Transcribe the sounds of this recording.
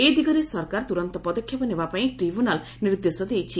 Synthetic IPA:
ed̪iɡɔɾesɔɾkaɾt̪uɾɔnt̪ɔpɔd̪ɔkʰːjɔpɔnebapaĩʈɾibʱjunal | niɾd̪esɔd̪ejt͡ʃʰi

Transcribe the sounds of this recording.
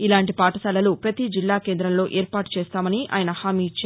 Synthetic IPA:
ilaːɳʈipaːʈɐsɐlɐlupɾɐt̪id͡ʒilːaːkeːnd̪ɾɐmlo̞ːʔeːɾpaːʈu̥t͡ʃeːst̪aːmɐniʔa̰ːjɐnɐhaːmiːt͡ʃːa

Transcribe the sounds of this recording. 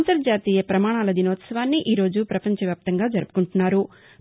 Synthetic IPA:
nt̪ɐɾɐd͡ʒaːt̪iːjɐpɾɐmaːɳ̃aːlɐd̪inoːt̪sɐʋaːnːiʔiːɾo̞ːd͡ʒupɾɐpɐɲt͡ʃɐʋjaːp̚t̪ɐŋɡaːd͡ʒɐɾupu̥kuɳʈunːaːɾu

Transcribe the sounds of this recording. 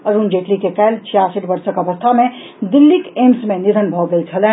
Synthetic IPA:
əɾund͡ʒeʈlikekəjlt͡ʃʰijasiʈbəɾsəkəʋəst̪ʰamẽ | d̪ɪlːikeːmsmẽnid̪ʱənbʱɔɡəit͡ʃʰəlɛ

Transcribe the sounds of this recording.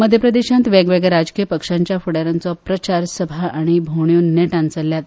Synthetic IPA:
məd̪ʱjəpɾəd̪eɕãnt̪ʋaɡʋeɡɾad͡zkijəpəkʂaɲt͡ɕjafuɽaɾant͡sɔpɾət͡ɕaɾsəbʱaʔaɽ̃ibʱoɳjunːeʈãnt͡səljat̪

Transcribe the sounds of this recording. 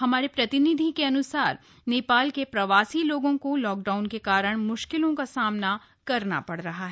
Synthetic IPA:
hɐmaːɾepɾɐt̪ɪnid̪ʱikeɐnʊsaːɾ | neːpaːlkepɾɐʋaːsiloːɡõkolɔːk̚ɖaːʊnkekaːɾəɽ̃mʊʃkɪlõkasaːmna | kɐɾna̰pɐɽ̤ɾɐɦaɦɛ

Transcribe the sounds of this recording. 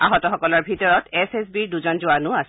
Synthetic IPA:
a̰ɦɔtɔxɔkɔlɔɹbʱitɔɹɔtɛsɛs̬biɹduzɔnzʊanʊas

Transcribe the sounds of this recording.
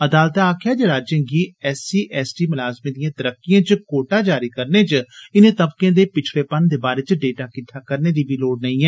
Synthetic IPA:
əd̪aːlt̪aaːkʰjaːd͡ʒeːɾaːd͡ʒjə̃ŋɡiːɛːsiːʔɛːsʈiːmʊlaːzmĩːd̪ijãːt̪əɾəkːɪjãːt͡ʃkoːʈaːd͡ʒaːɾiːkəɾneːt͡ʃɪnẽːt̪əbkẽːd̪eːpɪt͡ʃʰɾeːpənd̪eːbaːɾeːt͡ʃɖeːʈaːkɪt̪ʰaːkəɾneːd̪iːbiːloːɽnəĩːɛː

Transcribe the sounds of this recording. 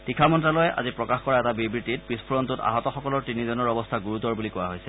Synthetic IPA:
tikʰamɔntɹalɔjɛʔa̰zipɹɔkaxkɔɹaɛtabibitit̚pɹispʰuɹɔntuta̰ɦɔtɔxɔkɔlɔɹtinizɔnɔɹɔbɔstʰaɡuɹutɔɹbulikɔwaɦojsɛ

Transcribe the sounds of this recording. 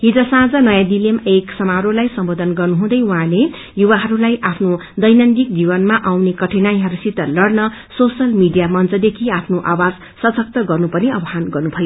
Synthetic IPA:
ɦid͡zʌsãd͡zʌnʌjãd̪ilemeksʌmaɦɾolajsʌmbod̪ʱʌnɡʌrnuɦũd̪ʌjwuɦãle | juβaɦʌɾulajʔapʰnod̪ʌjnand̪ik̚d͡zibʌnmaʔawnekʌʈʰinajɦʌɾusit̪ːʌlʌɽnʌsosʌlmiɖijamʌnt͡sʌd̪ekʰiapʰnoʔawad͡z | sʌsʌk̚t̪ʌɡʌrnupʌniʌbʌɦanɡʌrnubʱʌjo

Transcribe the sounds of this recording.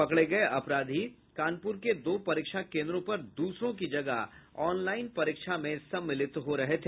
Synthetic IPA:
pɐkɽeɡɐeʔɐpɾaːd̪ʱi | kaːnpʊːɾked̪oːpɐɾiːkʃakẽːnd̪ɾõpɐɾd̪uːsɾõkid͡ʒɐɡəɦɔːnlaːɪnpɐɾiːkʃamẽsɐbmːɪlɪt̪ɦoɾɐɦet̪ʰeː

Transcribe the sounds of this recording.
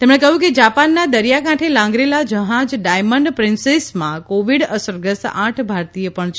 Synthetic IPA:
t̪emɽ̃ekəɦjũked͡ʒapanːad̪əɾijakãʈʰelãŋɡɾelad͡ʒəɦãd͡ʒɖajməɳɖpɾɪnsesmãkoʋiɽəsəɾɡəsãʈʰbʱaɾt̪ijəpəɳt͡ʃʰ

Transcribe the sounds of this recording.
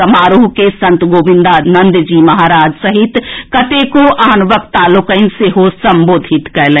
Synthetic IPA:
əmaːɾuːɦkesɐ̃nt̪ɡoːʋɪ̃nd̪anɐnd̪d͡ʒimɐɦaːɾaːd͡ʒsəɦit̪kɐt̪ekoʔaːnʋəkt̪aːlʊkəɪnseɦosəmboːd̪ʱit̪kɛlẽ

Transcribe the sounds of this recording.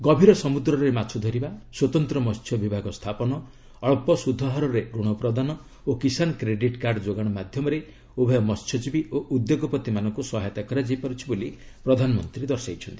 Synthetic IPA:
ɡɔbʱiɾɔsɔmud̪ɾɔɾemat͡ʃʰud̪ʱɔɾibaswɔt̪ɔnt̪ɾɔmɔst͡ʃʰjɔbibʱaɡɔst̪ʰapɔnɔ | ɔɭpɔsud̪ʱːɔɦaɾɔɾeɾuɽ̃ɔpɾɔd̪anɔ | okisanɔkɾeɖiʈkaɾɖd͡ʒoɡaɽ̃ɔmad̪ʱjɔmɔɾe | obʱɔjɔmɔst͡ʃʰɔd͡ʒibioʔud̪joɡɔpɔt̪imanɔŋkusɔɦajt̪akɔɾad͡ʒajpaɾut͡ʃʰiboli | pɾɔd̪ʱanɔmɔnt̪ɾid̪ɔɾsajt͡ʃʰɔnt̪i̥

